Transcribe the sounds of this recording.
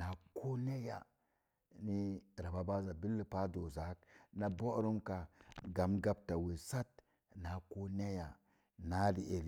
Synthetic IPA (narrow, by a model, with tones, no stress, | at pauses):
na˨ko˦ne˦ja̰˨ | ni˦ɾa˨ba˨ba˦za˨bi˦lːi˨pa˦do˨za˨˦k̚na˨bo˦ɾu˦mka˨ɡa˨mɡa˦b̚ta˨we˨sa˦t | na˨ko˦ne˦ja˨ | na˦di˨e˨l